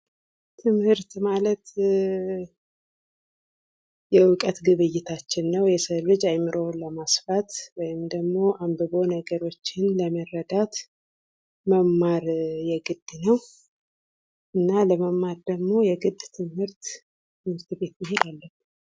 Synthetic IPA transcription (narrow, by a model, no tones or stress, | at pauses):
t̪ʰɨmhɨɾt̪malət̪ | jɛwʊkʼət̪ɡɨβɨjːɪt̪ʰat͡ʃːɪnːəwjɛsəlɨd͡ʒajmɨɾʔəwləmasfat̪wɔjɪmd̪əɡmo̞ʔambɨbo̞nəɡəɾo̞t͡ʃːɪnləmərːəd̪at̪ | məmːaɾjɛɡɨd̪̥ːnəw | ʔɨnːaləməmːaɾd̪əɡmo̞jɛɡɨd̪t̪ʰɨmhɨɾt̪ | t̪ʰɨmhɨɾt̪be̞t̪mɪɦed̪alːə